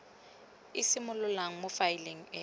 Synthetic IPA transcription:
ɪsɪmʊlʊlaŋ̩mʊfailiŋ̩ɛ

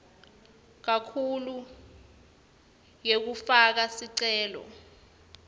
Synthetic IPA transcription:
k̬akʰulu | jek̬ufak̬asiǀɛːlɔ̰

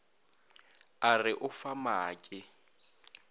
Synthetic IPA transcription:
arɪʔʊfamaːkʼɪ

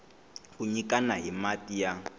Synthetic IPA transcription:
kuɲikanaɦimatija

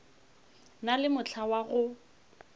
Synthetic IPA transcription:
nalɪmʊt͡ɬʰawaɣʊ

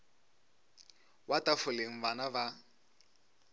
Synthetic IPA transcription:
watafʊleŋ̩banaba

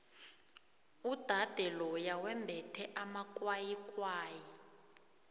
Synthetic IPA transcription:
ud̥ʱad̥ʱɛlɔjawɛmbʱɛtʰɛʔamakʼwajikʼwaːji

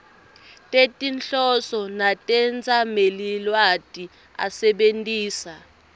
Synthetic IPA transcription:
tʼetʼinɬɔsɔnatʼɛnd͡zʱʼamelilwatʼi | a̰sɛɓentʼiːsa

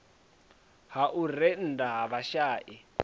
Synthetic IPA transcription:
haʔurɛn̩daɦaβaʃaːʔi

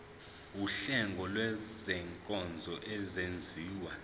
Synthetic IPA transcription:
uɬɛŋɡʱɔlwɛzɛŋkʼɔnd͡zʱɔʔɛzend͡zʱiːwa

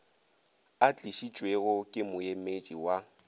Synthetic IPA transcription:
at͡ɬʼiʃit͡ʃʼweɣʊkʼɪmʊjemed͡ʒʼiwa

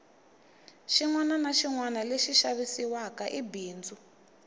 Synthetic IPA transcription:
ʃiŋwananaʃiŋwanaleʃiʃaβisiwakaʔibiːnd͡zu

